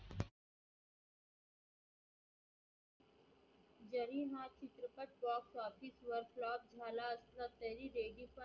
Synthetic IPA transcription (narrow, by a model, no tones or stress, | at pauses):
d͡ʒɐɾiːmãːt͡ʃɪt̪ɾəpəʈ̚baːksaːpʰɪsʋɐɾklaːp̚d͡ʒʱaːlaəst̪ɾat̪ɛɾiɾeːɡipɐ